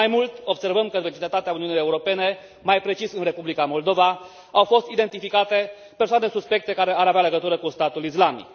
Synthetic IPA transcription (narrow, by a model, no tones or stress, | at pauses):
ajmult̪ʲo̞bse̞rvəmkəvet͡ʃid̪et̪at̪eauniunije̞uɾo̞pe̞ne̞ | majpɾe̞t͡ʃisɨnre̞publikamo̞ld̪o̞va | awfo̞st̪id̪e̞nt̪ifikat̪e̞ | persoanesuspe̞k̚t̪e̞kaɾe̞aɾaveale̞ɡət̪uɾəkust̪at̪ulis̬lamḭk